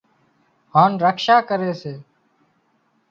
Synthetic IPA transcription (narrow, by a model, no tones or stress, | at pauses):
ɦaːnɾəkʃaːkəɾeːseː